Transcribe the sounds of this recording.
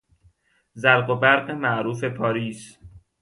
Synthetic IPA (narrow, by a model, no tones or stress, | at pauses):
zæɾɢobæɾɢemæʔɾuːfe̞pʰɒːɾiːs